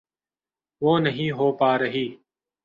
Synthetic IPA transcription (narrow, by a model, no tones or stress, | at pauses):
ʋoːnəɦĩːɦoːpaːɾəɦiː